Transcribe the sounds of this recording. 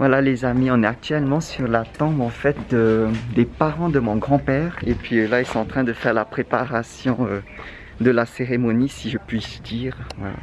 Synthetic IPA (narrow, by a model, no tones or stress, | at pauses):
vwalalezamiɔ̃nɛak̚t̪ɥɛlmɑ̃syʁlat̪ɑ̃bɑ̃fɛt̪̚d̪əd̪epaʁɑ̃d̪əmɔ̃ɡʁɑ̃pɛːʁepɥilailsɔ̃ɑ̃t̪χɛ̃d̪əfɛʁlapχepaʁasjɔ̃ø | d̪əlaseʁemɔnisiʒəpɥisd̪̥iːʁvwa̰la̰